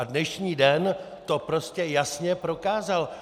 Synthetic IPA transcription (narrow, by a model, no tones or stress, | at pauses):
adnɛʃɲiːdɛn | t̪o̞pɾo̞scɛjasɲɛpɾo̞kaːzal